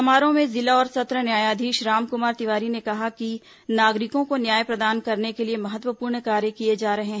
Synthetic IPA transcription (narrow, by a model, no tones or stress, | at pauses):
ɐmaːɾõmẽzɪlaɔːɾsɐt̪ɾənjaːjaːd̪ʱiːʃɾaːmkʊmaːɾt̪ɪʋaːɾinekɐɦaki | naːɡɾɪkõkonjaːjpɾɐd̪aːnkɐɾnekeliemɐɦət̪ʋəpuːɾɳkaːɾjəkied͡ʒaːɾɐɦeɦɛ̃